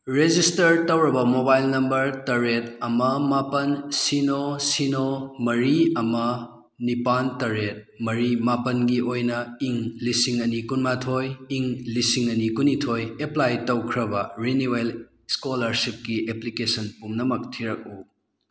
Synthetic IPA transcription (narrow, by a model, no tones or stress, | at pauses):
ɾed͡ʒistɐɾtɐwɾɐbɐmobajlnɐmbɐɾtɐɾet̚ɐmɐmapɐnsinosinomɐɾiɐmɐ | nipantɐɾet̚mɐɾimapɐnɡiojnɐiŋlisiŋɐnikunmatʰojiŋlisiŋɐnikunitʰojeplajtɐwkʰɾɐbɐɾiniel | skolɐɾsip̚kieplikesɐnpumnɐmɐk̚tʰiɾɐk̚u